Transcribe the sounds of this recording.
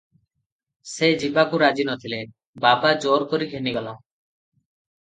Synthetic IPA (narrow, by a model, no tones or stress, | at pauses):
sed͡ʒibakuɾad͡ʒinɔt̪ʰile | babad͡ʒoɾkɔɾikʰeniɡɔlɔ